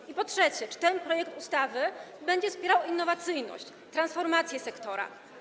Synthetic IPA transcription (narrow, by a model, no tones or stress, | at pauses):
ipɔtʂɛt͡ɕɛt͡ʂɘ̥t̪ɛnpɾɔjɛkt̪ust̪avɘbɛɲd͡ʑɛfspʲjɛɾawinːɔvat̪sɘjnɔ̰ɕt͡ɕ | t̪ɾansfɔɾmat̪sʲjɛsɛkt̪ɔɾa̰